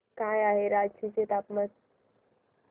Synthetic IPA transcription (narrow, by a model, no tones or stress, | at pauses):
kajaɦeɾad͡ʒt͡ɕʰiset̪apməs